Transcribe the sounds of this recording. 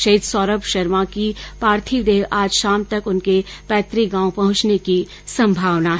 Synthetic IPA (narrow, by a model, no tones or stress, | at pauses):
ʃɐɦid̪sɔːɾəpʃɐɾmakipaːɾt̪ʰid̪eːʋʔaːd͡ʒʃaːmt̪ɐkʊnkepɛːt̪ɾiɡãːõpɐɦʊ̃t͡ʃneki | sɐ̃mbʱaːʋnaɦ